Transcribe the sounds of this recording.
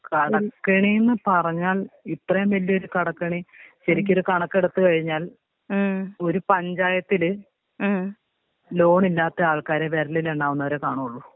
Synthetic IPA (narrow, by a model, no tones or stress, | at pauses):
kɐɽɐkːɐɳijenːɨpɐrɐɲːaːlit̪rɐjɐmʋɐlːio̞ɾukɐɽɐkːɐɳiɕɐɾikʲːo̞ɾukɐɳɐkːe̞ɽut̪ːɨkɐɻiɲːaːl | o̞ɾupɐɲd͡ʑaːjɐt̪ːilɨ | lo̞ːɳilːaːt̪ːɐaːɭkaːɾeʋeɾɐlileɳɖaːʋunːɐʋɐɾekaːɳuɐɭːu